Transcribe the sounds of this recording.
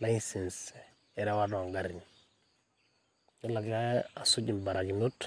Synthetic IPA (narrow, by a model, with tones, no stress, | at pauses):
la˦jsens | e˨ɾa˦wa˦da˨ŋɡaɾiɲ | i˦la˨ɡa˦ja˨su˦ɟi˨mba˨ɾa˨ɡinu˦t